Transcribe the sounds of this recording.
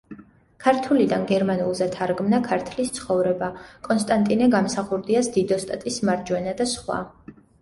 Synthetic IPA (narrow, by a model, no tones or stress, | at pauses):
kʰaɾt̪ʰulid̪anɡɛɾmanulˠzɛt̪ʰaɾɡmnakʰaɾt̪ʰlist̪sʰχɔvɾɛbakʼɔnst̪ʼant̪ʼinɛɡamsaχuɾd̪iasd̪id̪ɔst̪ʼat̪ʼismaɾd͡ʒwɛnad̪asχwa̰